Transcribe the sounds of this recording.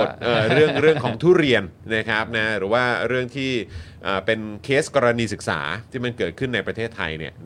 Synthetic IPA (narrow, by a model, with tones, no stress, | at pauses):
t̪̚ʔəː˨˩ɾɯ˥˩əŋɾɯ˥˩əŋkʰɔː˩˦ŋt̪ʰuː˥˩ɾi˧ənna˦˥kʰa˦˥p̚na˦˥ɾɯː˩˦waː˥˩ɾɯ˥˩əŋt̪ʰiː˥˩ʔəː˨˩pe˧nkʰeː˦˥skɔː˧ɾa˧niː˧sɯ˨˩k̚sa̰ː˩˦t̪ʰiː˥˩ma˧nkɤː˨˩t̪̚kʰɯ˥˩nːa˧jpɾa˧t̪ʰeː˥˩t̪ʰːa̰˧jnḭ˥˩ə